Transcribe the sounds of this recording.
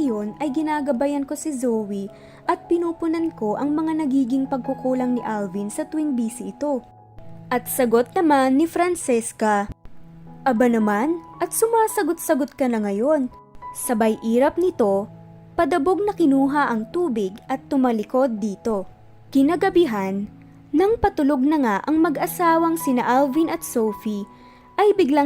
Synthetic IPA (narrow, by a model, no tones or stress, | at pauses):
jo̞nʔɐjɡɪnaːɡɐbajɐnko̞sɪzowi | ʔɐt̪̚pɪnuːpʊnɐnko̞ʔɐŋmɐŋanɐɡiːɡɪŋpɐɡ̚kʊkuːlɐŋnɪʔalvinsɐt̪ʊwiŋbiːsɪʔɪt̪o̞ | ʔɐt̪̚sɐɡo̞t̪̚nɐmanːɪfɾɐnt͡ʃɛskɐ | ʔɐbanɐmanʔɐt̪̚sʊmaːsɐɡo̞t̪̚sɐɡo̞t̪̚kɐnɐŋɐjo̞n | sɐbɐjʔiːɾɐp̚nɪt̪o̞ | pɐd̪ɐbo̞ɡ̚nɐkɪnuːɦɐʔɐŋt̪uːbɪɡɐt̪ːʊmɐlɪko̞d̪ːiːt̪o̞ | kɪnaɡɐbɪɦanː | ɐŋpɐt̪ʊlo̞ɡ̚nɐŋaʔɐŋmɐɡʔɐsaːwɐŋsɪnɐʔalvinɐt̪̚sowfi | ʔɐjbɪɡla